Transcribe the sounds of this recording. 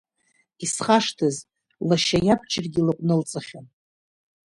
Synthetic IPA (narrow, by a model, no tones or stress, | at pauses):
isχaʂtʰɨz | laʃajabʰt͡ʃʰʼɪrɡʲilakʷʼnɨlt͡sʼɨχʲan